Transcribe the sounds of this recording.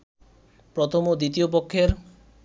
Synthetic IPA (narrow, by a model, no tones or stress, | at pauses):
pɾot̪ʰomod̪it̪iop̬okʰːeɾ